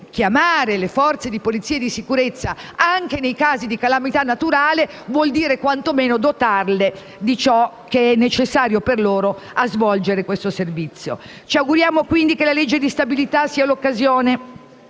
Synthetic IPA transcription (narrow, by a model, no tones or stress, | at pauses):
k̟jamaːɾelefɔrt̪sed̪ipolit̪siːed̪isikuɾet̪sːaaŋkenejkaːzid̪ikalamit̪anːat̪uɾaːle | vwɔld̪iːɾekwant̪omeːnod̪ot̪arle | d̪it͡ʃɔkeɛnːet͡ʃesːaːɾjoperloːɾo | azvɔld͡ʒeɾekwest̪oservit̪sːjo̰ | t͡ʃiaɡuɾjaːmokwind̪ikelaled͡ʒːed̪ist̪abilit̪asːiːalokːazjoːne